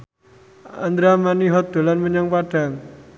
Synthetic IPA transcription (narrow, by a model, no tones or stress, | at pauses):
a̰nd̪ɾamaniɦɔt̪̚d̪̥o̤lanməɲaŋpaɖ̥a̤ŋ